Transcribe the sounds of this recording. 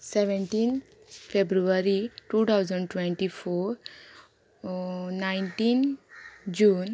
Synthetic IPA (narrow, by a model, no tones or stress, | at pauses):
seʋeɳʈiːnt̪ | febɾuʋaɾiʈut̪ʰawd͡zəɳɖʈʋẽɳʈifoɾ | najɳʈin | d͡ʑuːn